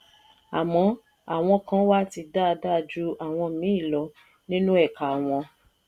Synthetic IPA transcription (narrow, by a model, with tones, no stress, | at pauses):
a˨mɔ̃˨˦ | a˨w̃ɔ̃˧kã˦wa˦ti˧da˦˧da˦˨d͡ʒu˧˦a˨w̃ɔ̃˧mĩ˨˦i˦˨lɔ˧˦ | nĩ˦nũ˦ɛ˦˨ka˨w̃ɔ̃˧